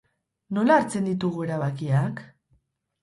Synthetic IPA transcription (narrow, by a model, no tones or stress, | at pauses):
no̞laːɾt͡se̞nd̪it̪uɣue̞ɾaβakiak